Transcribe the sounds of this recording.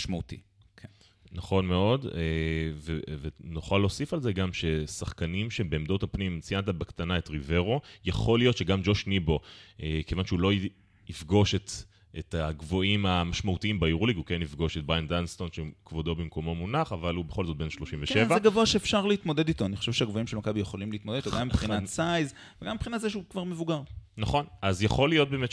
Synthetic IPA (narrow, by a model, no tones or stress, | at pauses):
ʃmaut̪ḭ | k | naχo̞nme̞o̞devevenoχalːo̞ːsifalzeɡamʃe̞saχkanimʃe̞beːmdo̞t̪apnimt͡sijant̪̬abekt̪anae̞tʁive̞ʁo̞jaχo̞lijo̞t̪ʃe̞ɡamd͡ʒo̞ʃnibo̞ekevanʃeulo̞ | ifɡo̞ʃet̪ | et̪aɡvo̞imamaʃmaut̪iimbajuʁuliɡhukenifɡo̞ʃet̚bʁajand̪anst̪o̞nʃekvod̪o̞bimko̞mo̞munaχavalube̞χo̞lzot̪̚be̞nʃlo̞ʃimveʃevaeɡavoaʃeːfʃaʁleit̪mod̪ed̪it̪o̞aniχo̥ʃevʃeaɡvoimʃelmakabijeχolimleit̪moddit̪oɡamːipχinasajz | veɡamːipχinatzeʃukvaʁmevuɡaʁnaχo̞nazjaχo̞lijo̞t̪̚beːmet